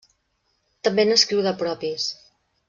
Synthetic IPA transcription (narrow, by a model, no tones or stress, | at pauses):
t̪əmbenəskɾiwðəpɾɔpis